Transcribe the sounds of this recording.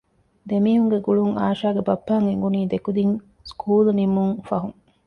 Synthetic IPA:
d̪emiːɦuŋɡeɡuɭuŋa̰ːʃaːɡebɐpːaːŋeŋɡuniːd̪ekud̪iŋ | skʰuːlnimuŋfɐɦuŋ

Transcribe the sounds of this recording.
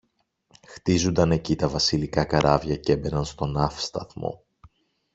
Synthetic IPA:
xt̪izund̪ɐne̞cit̪ɐvɐsilikɐkɐɾʔɐvʝɐce̞be̞nɐnst̪o̞nɐfst̪ɐθmo̞̰

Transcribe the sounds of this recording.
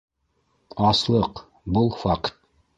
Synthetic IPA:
ɑslˠɤq | bɤlˠfaqt̪̚

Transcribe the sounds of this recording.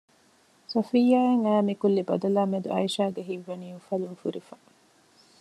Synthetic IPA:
sɐfijaːeŋæːmikulːibɐd̪ɐlaːmed̪ṵʔɐ̰jiʃaːɡeɦiʋːɐniːufɐluŋfuɾifɐ

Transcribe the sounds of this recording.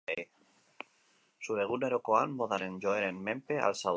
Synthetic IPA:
e | suɾeɣuneɾokoanboðaɾend͡ʒoeɾenmẽmpea̰lsa

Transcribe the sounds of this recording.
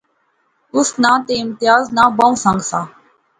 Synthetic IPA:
ʊsnãːt̪eːɪmt̪ɪjaːznaːbãːũːsãːŋɡsaː

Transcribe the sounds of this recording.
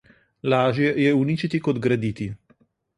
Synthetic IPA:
laːʒjɛjɛunit͡ʃit̪ikɔd̪ɡɾɛd̪it̪i

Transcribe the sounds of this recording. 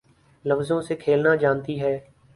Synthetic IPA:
ləfzõːseːkʰeːlnaːd͡ʒãːnt̪iːɦɛː

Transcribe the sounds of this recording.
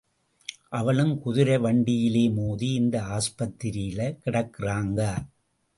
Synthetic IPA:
ʔɐʋɐɭɯmkʊðɪɾɐʋɐɳɖɪjɪleːmuːðiɪnd̪ɐaːspɐt̪ːɪɾɪjɪlɐkɪɽɐkːɪraːŋɡɐ

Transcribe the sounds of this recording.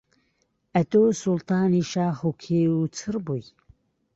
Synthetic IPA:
ɐt̪oːsʊlt̪ɑːniːʃaːxukʰeːut͡sʰɨɾbuj

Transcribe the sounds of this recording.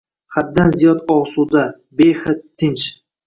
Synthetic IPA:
χad̪ːanzijɒd̪ɒwsud̪a | bejχɨt̪ʰːɪnt͡ʃ

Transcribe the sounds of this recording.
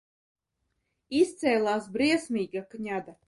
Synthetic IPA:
ist̪sɛːlˠaːsbɾiɛsmʲiːɡakɲad̪a

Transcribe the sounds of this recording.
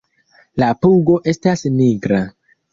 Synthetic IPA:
lapuɡo̞ʔe̞stasniɡɾa

